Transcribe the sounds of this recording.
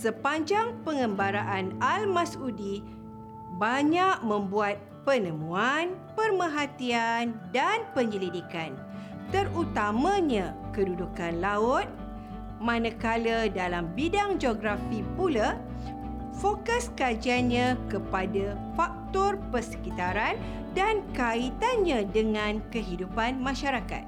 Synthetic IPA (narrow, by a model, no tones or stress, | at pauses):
səpaɲd͡ʒaŋpəŋə̃mbaɾaʔanalmasudi | baɲaʔ̚mə̃mbuat̪̚pənəmũanpərməɦat̪iandanpəɲəlidikan | t̪ərut̪amãɲãkədudukanlaʊt̪̚ | mãnə̃kalədalambidaŋd͡ʒoɡɾafipula | fokəskad͡ʒianɲãkəpada | fak̚t̪ɔrpərsə̥kit̪aɾan | dankait̪anɲãdəŋãnkəɦidupanmãʃaɾaka̰t̪̚